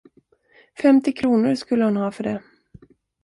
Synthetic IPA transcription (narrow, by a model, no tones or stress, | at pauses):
fɛmt̪ɪkʰɾuːnʊɾʂkɵlːəhʊnhɑːfœɖɛ